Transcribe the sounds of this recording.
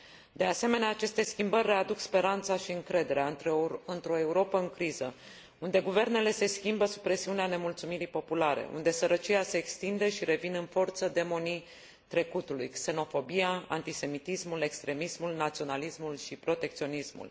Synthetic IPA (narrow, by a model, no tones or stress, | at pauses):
d̪e̞ase̞me̞neaːt͡ʃe̞st̪e̞skʲimbərʲːe̞ad̪ukspe̞ɾant̪saʃiɨŋkɾe̞d̪e̞ɾeaɨnt̪ɾo̞e̞uɾo̞pəɨŋkɾizə | und̪e̞ɡuve̞rne̞le̞se̞skʲimbəsu̥pɾe̞siuneane̞mult̪sumiɾipo̞pulaɾḛʔṵnd̪e̞səɾət͡ʃiase̞ːkst̪ind̪e̞ʃiɾe̞vinɨnfo̞rt̪səd̪e̞mo̞ni | t̪ɾe̞kut̪ulujkse̞no̞fo̞bijaa̰nt̪ise̞mit̪ismule̞kst̪ɾe̞mismulnat̪sio̞nalismulʃipɾo̞t̪e̞k̚t̪sio̞nismṵl